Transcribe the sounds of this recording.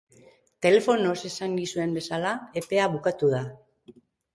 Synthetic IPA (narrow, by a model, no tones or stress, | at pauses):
t̪e̞le̞fo̞no̞se̞saŋɡisue̞mbe̞salae̞pe̞aβukat̪uð̞a